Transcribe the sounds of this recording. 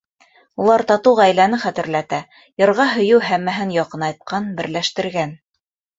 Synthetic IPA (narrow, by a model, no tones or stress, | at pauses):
ulˠɑɾt̪ɑt̪ɤwʁæjlænɘχæt̪ɘ̆ɾlæt̪æ | jɤ̆ɾʁɑɦɵ̆jɘwɦæmːæɦɘnjɑqɤnɑjt̪̚qʰɑnbɘ̆ɾlæʃt̪ɘ̆ɾɡæn